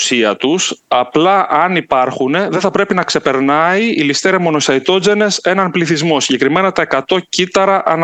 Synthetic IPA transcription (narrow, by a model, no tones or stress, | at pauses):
siɐt̪usɐplɐʔɐnipɐɾxune̞ðeθɐpɾe̞pinɐkse̞pe̞ɾnɐiilist̪eɾɐmo̞no̞sɐit̪o̞d͡ze̞ne̞se̞nɐnpliθizmo̞siɲɟe̞kɾime̞nɐt̪ɐe̞kɐt̪o̞cit̪ɐɾɐʔɐn